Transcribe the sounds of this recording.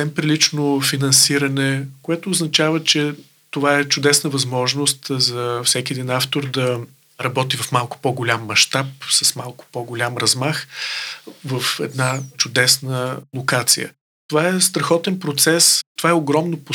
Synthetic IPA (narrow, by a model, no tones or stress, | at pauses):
ɛmpɾilit͡ʃnofinɐnsiɾənɛkoɛt̪oːznɐt͡ʃavət͡ʃɛ | t̪ovaɛt͡ʃʊd̪ɛsnəvɐzmɔʒnost̪zɐfsɛkʲiɛd̪inaft̪oɾd̪ɐ | ɾɐbɔt̪ivɐfmalˠkʊ̥pɔɡʊlʲamːɐʃt̪apsɐsmalˠkʊ̥pɔɡʊlʲamɾɐzmax | vəfɛ̰d̪nat͡ʃʊd̪ɛsnəlˠokat̪sḭjə̰ | t̪ovaɛst̪ɾɐxɔt̪ɛnpɾot̪sɛst̪ovaɛoɡɾɔmnopo